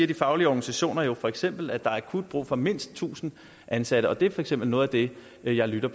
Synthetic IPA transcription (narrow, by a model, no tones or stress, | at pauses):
iɐd̥ifɑ̈ʊliəɒɡ̥nisæɕo̝̰ːnɐjo̝fɒ̽eɡ̥sem̰b̥l̩æd̥ɑ̈æɐkʰud̥̚b̥ʁṵːfɒ̽me̝n̰sd̥̚t͡sʰṵːsn̩ | ʔænsæɾ̥əʔɒ̽d̥e̝æɐfɒ̽eɡ̥sem̰b̥l̩nɔ̽ːð̩ˠæd̥e̝ | jɑ̈ɪlyɾ̥ɐ